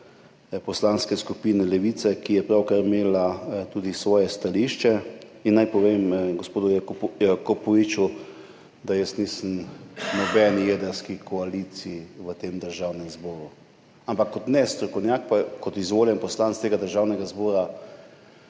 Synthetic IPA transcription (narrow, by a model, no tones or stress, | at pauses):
pɔslanskɛskupiːnɛlɛʋit̪sɛkijɛpɾawkaɾimeːlat̪uːd̪isʋɔːjɛst̪aliʃt͡ʃɛinːajpɔʋeːmɡospoːd̪ujakopɔʋit͡ʃu | d̪ajəsnisənnɔbɛːnijed̪əɾskikʰɔalisiːʋət̪eːmd̪əɾʒawnɛmzbɔːɾu | ampakːɔt̪nɛst̪ɾɔkɔwnjak̚pakɔt̪izʋoːljɛnpɔslantst̪eːɡad̪əɾʒaːwnɛɡazbɔːɾa